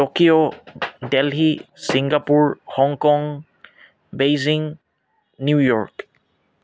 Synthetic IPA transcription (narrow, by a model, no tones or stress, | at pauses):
tɔkiodelɦisiŋɡapuɹhɔŋkɔŋ | bejziŋ | njujɔɹk